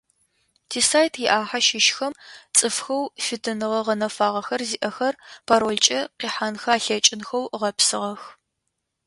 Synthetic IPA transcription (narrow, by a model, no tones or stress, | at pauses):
tʰiːsaːjtʰjɪʔaːħaʃɪʃxɐmt͡sʼɨfxɐwfɨtʰɨnɨʁɐʁɐnɐfaːʁɐxɐrziʔɐxɐrpʰaːɾoːɮt͡ʃʼɐqiːħanxaːɬɐt͡ʃʼɪnxɐwʁɐpsɨʁɐx